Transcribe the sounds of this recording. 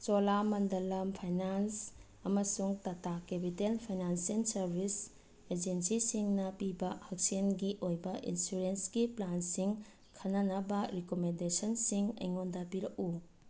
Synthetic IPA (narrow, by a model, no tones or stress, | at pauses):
t͡ʃolamɐndɐlɐmpʰajnans | ɐmɐsuŋtɐtakepitelpʰajnansensɐɾbʱis | ed͡ʒensisiŋnɐpibɐhɐk̚senɡiʔojbɐʔḭnsuɾensɡiplansiŋ | kʰɐnɐnɐbɐɾikomendesɔnsiŋɐ̰jŋondapiɾɐku